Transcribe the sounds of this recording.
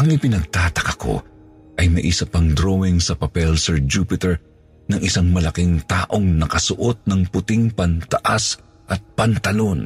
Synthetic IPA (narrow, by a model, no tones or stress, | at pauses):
ʔɐŋʔɪpɪnɐɡ̚t̪aːt̪ɐkɐko̞̰ | ʔɐjmɐʔisɐpɐŋd̪ɾowɪŋsɐpɐpɛlsɛɹd͡ʒuːpɪt̪ɛɹ | nɐŋʔɪsaŋmɐlɐkiŋt̪aːʔo̞ŋnɐkɐsʊʔo̞t̪̚nɐŋpʊt̪ɪŋpɐnt̪ɐʔas | ʔɐt̪̚pɐnt̪ɐlo̞n